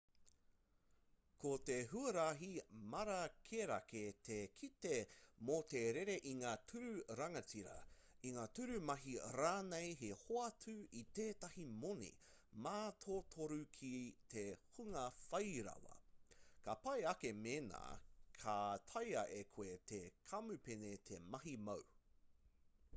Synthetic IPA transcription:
kʰot̪eɦuɐɾaɦimɐɾɐkʰeɾɐ̰ketʰekʰitemot̪eɾeɾe̞ʔiŋaːtʰʉɾʉɾɐŋɐt͡siɾɐ̰iŋaːtʉɾʉmɐɦiɾaːnejɦehoɐtʰʉiteːtɐhimonḭ | maːt̪ʰoːtʰoɾukʰitʰehuŋɐfɐjɾɐ̰wɐ̰kɐpɐjɐkemena̰ːkʰat̪ʰɐjɐʔekʰoetʰekʰɐmʉpenet̪ʰemɐɦimɐw

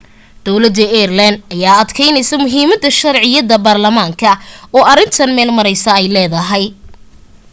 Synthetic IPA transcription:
d̪̥ɔwlɐd̪ɐɛːrlɐnd̪ɐjaːɐd̪kʰɛjnɛjsɐmʊɦiːmɐd̪ɐʃɐɾʕɪjɐðɐbaːrlɐmaːŋkʰɐɔːɐɾɪnt̪ʰɐnmɛːlmɐɾɛjsɐɛjlɛːðɐɦɛj

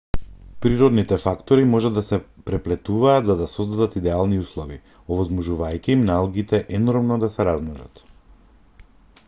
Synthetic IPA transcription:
pɾiɾɔd̪nit̪ɛfakt̪ɔɾimɔʒad̪ːasɛpɾɛplɛt̪uvaːt̪zad̪asɔzd̪ad̪at̪id̪ɛalˠniuslˠɔvi | ɔvɔzmɔʒuvajciimnalˠɡit̪ɛʔɛnɔɾmnɔd̪asɛɾazmɔʒa̰t̪

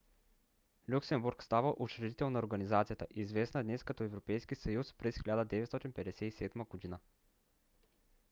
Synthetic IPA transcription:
lʲuksɛmbuɾkst̪avəʔot͡ʃɾɛd̪it̪ɛlˠnɐoɾɡɐnizat̪sijət̪ə̰ʔizvɛsnəd̪nɛskɐt̪ɔɛvɾopɛjskisɐjuspɾɛsxʲilʲad̪əd̪ɛvɛt̪st̪ɔt̪inpɛd̪ɛsɛisɛd̪məɡod̪inə

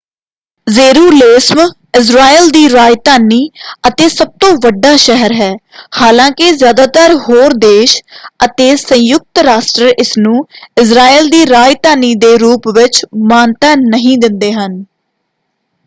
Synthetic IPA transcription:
zeːɾuːleːsm | ɪs̬ɾaːiːld̪iːɾaːjt̪aːniːət̪eːsəb̚t̪õːʋəɖːaːʃɛɦəɾɦɛːhaːlãːkɪzjaːd̪aːt̪əɾɦoːɾd̪eːʃət̪eːsə̃jʊk̚t̪ɾaːsʈɾəɾʔɪsnũːɪsɾaːiːld̪iːɾaːjt̪aːniːd̪eːɾuːpʋɪt͡ʃmaːnt̪aːnəɦĩːd̪ɪnd̪eːɦən

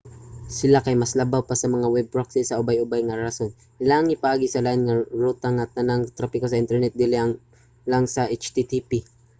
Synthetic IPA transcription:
sɪlakɐjmɐslɐbawpasɐmɐŋawɛb̚ɾok̚sɪsɐʔʊbajʔʊbajŋɐɾason | ɪlaːŋɪpɐʔaːɡisɐlaɪnŋɐɹuːt̪aŋɐt̪ɐnaŋt̪ɾapɪkosɐʔɪnt̪ɛɹnɛt̪̚d̪ilɪʔɐŋ | lɐŋsɐʔet͡ʃt̪it̪ipi

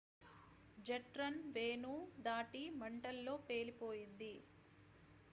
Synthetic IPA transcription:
d͡ʒɐʈɾɐnʋeːnud̪aːʈimɐɳʈɐlːo̞ːpe̞ːlipo̞ːjind̪i

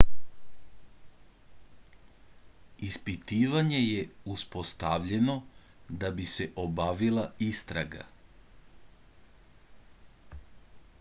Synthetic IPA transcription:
ispit̪iːʋaɲe̞jeuspo̞st̪aʋʎe̞no̞ | d̪abise̞ʔobaʋilˠaist̪ɾaɡa̰

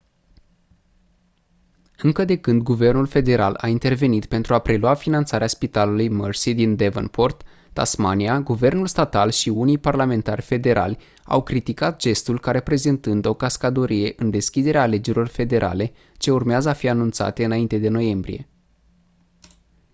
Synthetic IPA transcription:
ɨŋkəd̪e̞kɨnd̪ɡuve̞rnulfe̞d̪e̞ɾa̰lʔa̰int̪e̞rve̞nit̪pe̞nt̪ɾuapɾe̞luafinant̪saɾeaspit̪alulujmərsid̪ind̪evə̰nport̪ː | a̰smaniaɡuve̞rnulst̪at̪alʃiunijparlame̞nt̪arʲfe̞d̪e̞ɾʔa̰lʲ | a̰wkɾit̪ikat̪̚ʒe̞st̪ulkaɾe̞pɾe̞zent̪ɨnd̪o̞kaskad̪oɾije̞ʔɨnd̪e̞skʲid̪e̞ɾeaːle̞d͡ʒeɾilo̞rfe̞d̪e̞ɾʔa̰le̞ | t͡ʃe̞urmeazəafianunt̪sa̰t̪eɨnaint̪e̞d̪e̞no̞je̞mbɾḭje̞̰

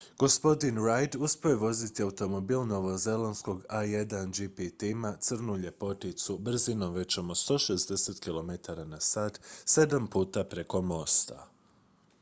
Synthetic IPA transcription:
ɡ̥o̞spo̞d̪inɾajd̪uspejeʋo̞zit̪iaut̪o̞mo̞biːlˠno̞ʋo̞ze̞lansko̞ɡajed̪and͡ʒipit̪imat̪sɨr̩nuʎe̞po̞t̪it̪subr̩zino̞mʋe̞t͡ɕomost̪o̞ːʃezd̪e̞set̪kilo̞met̪aɾanasaːt̪se̞d̪ampuːt̪apɾe̞ko̞mo̞st̪a̰

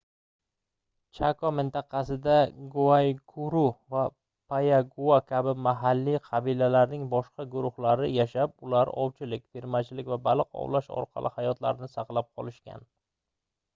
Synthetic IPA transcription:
t͡ʃʰakʰɒmɪnt̪ɑqʰɑsɪd̪aɡuajkʰʊɾuva | pʰajaɡuakʲʰabɪmaɦalːiqʰɑbilalaɾnɪŋbɒʃqʰɑɡʊɾʊhlaɾɪjaʃap̚ʊlaɾɒwt͡ʃʰɪlɪkʲt̪ʰeɾmat͡ʃʰɪlɪkʲvabalˠɪqɒ̰wlaʃɒ̰ɾqʰɑ̰lˠʔɪhajɒt̪la̰ɾɪnɪsɑqlˠap̚qʰɒlˠɪʃkʲa̰n

